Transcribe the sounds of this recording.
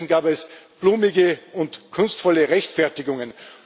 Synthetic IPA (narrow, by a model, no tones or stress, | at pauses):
n̩ɡ̥aːbɛsb̥luːmɪɡəʊntkʰʊnstfɔləʁɛçtfɛɐtɪɡʊŋə̃n